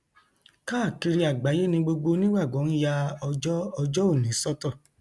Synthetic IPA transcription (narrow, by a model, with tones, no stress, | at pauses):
ka˦˨ki˧ɾi˧a˨ɡ͡ba˨˦je˦nĩ˧ɡ͡bo˧ɡ͡bo˧nĩ˦wa˦˨ɡ͡bɔ˨˦ñ̩˦ja˧ɔ˧d͡ʒɔ˦ɔ˧d͡ʒɔ˦o˦˨nĩ˨˦sɔ˦tɔ˦˨